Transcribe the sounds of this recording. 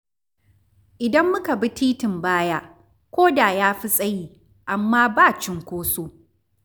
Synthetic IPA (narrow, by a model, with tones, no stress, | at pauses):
ʔɪ˨dɐ˦mːʊ˦ka˨bi˦tiː˦tɪ˨mbaː˦jaː˦ | kʷoː˦daː˨jaː˦ɸi˦sʼɐ˦jiː˦ | ʔa˨mːaː˦baː˦˨t͡ʃɪ˦ŋkʷoː˦soː˦